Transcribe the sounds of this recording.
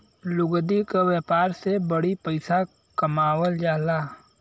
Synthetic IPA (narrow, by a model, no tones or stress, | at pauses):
lʊɡd̪ikawjɛːpaːɾsebəɽipəɪsa | kəmaːwəld͡ʒaːlaː